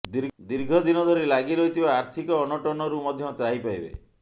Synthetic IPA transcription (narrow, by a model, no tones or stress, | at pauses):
d̪iɾd̪iɾɡʱɔd̪inɔd̪ʱɔɾilaɡiɾɔɦit̪ʰibaːɾt̪ʰikɔːnɔʈɔnɔɾumɔd̪ʱjɔt͡ʃaɦipajbḛ